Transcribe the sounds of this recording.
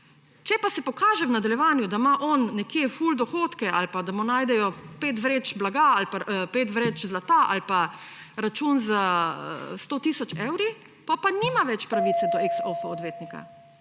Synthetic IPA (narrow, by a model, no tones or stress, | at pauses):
t͡ʃɛpasɛpɔkaːʒɛwnad̪aljɛʋaːnjud̪amaʔɔnːɛkjefuld̪ɔxoːt̪kɛʔalpad̪amunaːjd̪ɛjɔpeːt̪ʋɾeːt͡ʃblaɡaalpapeːt̪ʋɾet͡ʃzlat̪aʔa̰lpa | ɾat͡ʃuːnza | st̪oːt̪isɔt͡ʃɛwɾi | pɔpaniːmaʋɛt͡ʃpɾaʋiːt̪sɛd̪ɔiksɔfaɔd̪ʋeːt̪nika̰